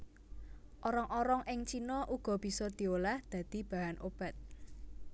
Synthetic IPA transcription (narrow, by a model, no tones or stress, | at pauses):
ʔɔɾɔŋʔɔɾɔŋʔɪŋt͡ʃinɔʔuɡ̥ɔ̤b̥i̤sɔd̪̥i̤olahd̪̥ä̤d̪̥i̤b̥ä̤ɦanʔob̥a̤t̪̚